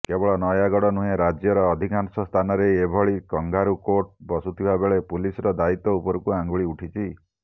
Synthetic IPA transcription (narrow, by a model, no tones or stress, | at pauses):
kebɔɭɔnɔjaɡɔɽɔnuɦẽɾad͡ʒjɔɾɔːd̪ʱikansɔst̪ʰanɔɾejebʱɔɭikɔŋɡaɾukoʈbɔsut̪ʰibabeɭepulisɔɾɔd̪ait̪ɔupɔɾukuãŋɡuɭiuʈʰit͡ʃʰi